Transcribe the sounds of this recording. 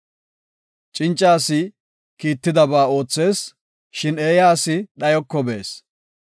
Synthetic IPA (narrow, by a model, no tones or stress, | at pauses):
t͡ʃʼɪnt͡ʃʼːaːsɪ | kiːt̪ːɪd̪ɐbaːo̞ːt͡sːe̞ːs | ʃɪneːjaːsɪɗɐjɔkːɔbe̞ːs